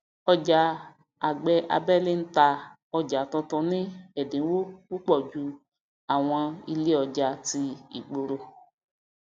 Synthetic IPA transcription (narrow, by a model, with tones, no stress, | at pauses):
ɔ˧d͡ʒa˨˦ | a˨ɡ͡bɛ˧ʔa̰˧bɛ˦˨le˦n̩˦ta˧ | ɔ˧d͡ʒa˨tɔ̃˧tɔ̃˧nĩ˦ɛ˦˨dĩ˨˦n̩˦wo˦ku˦k͡pɔ˦˨d͡ʒu˧˦ | a˦˨w̃ɔ̃˧i˧le˦ɔ˧d͡ʒa˧ti˧ḭ˦˨ɡ͡bo˧ɾo˧